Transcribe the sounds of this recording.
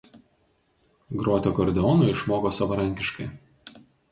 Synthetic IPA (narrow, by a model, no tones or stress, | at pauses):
ɡɾoːt̪ʲoːkɔɾʲd̪ʲɛɔnoɪʃmoːkoːsɐʋɐɾɐŋʲkʲɪʃkɐɪ